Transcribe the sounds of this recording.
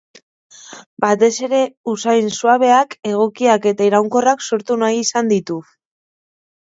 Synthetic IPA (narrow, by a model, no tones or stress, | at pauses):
bat̪e̞se̞ɾe̞usajnsuaβ̞e̞ake̞ɣ̞o̞kiake̞t̪aiɾawŋko̞rakso̞ɾt̪unajisand̪it̪u